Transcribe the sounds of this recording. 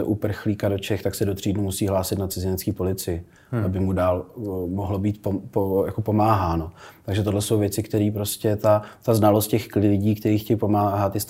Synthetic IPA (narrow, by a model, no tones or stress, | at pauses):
ɛ̰ʔupr̩xliːkadot͡ʃɛxt̪aksɛdot̪r̝̥iːdnumusiːɦlaːsɪt̪nat̪t͡sɪzɪnɛt͡sskiːpo̞lɪt͡sɪjɪ | ʔabɪmudaːlmoɦlo̞biːt̪̚popoja̰ko̞po̞maːɦaːno̞t̪aɡʒɛt̪o̞dlɛsowvjɛt͡sɪkt̪ɛɾiːpɾo̞scɛt̪at̪aznalost̪̚cɛxklɪlɪɟiːkt̪ɛɾiːxcɛjipo̞maːɦat̪ːɪs